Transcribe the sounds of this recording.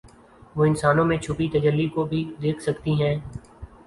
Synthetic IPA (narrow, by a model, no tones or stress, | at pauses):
ʋoːɪ̃nsaːnõmẽt͡ʃʰʊpit̪əd͡ʒəlːikobʱid̪eːkʰsəkt̪iɦɛ̃ː